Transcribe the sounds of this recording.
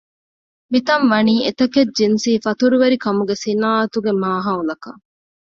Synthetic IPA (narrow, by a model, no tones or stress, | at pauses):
mit̪ɐmʋɐniːet̪ɐked͡ʒinsiːfɐt̪uɾuʋeɾikɐmuɡesinaːɐt̪uɡemaːɦaulɐkɐ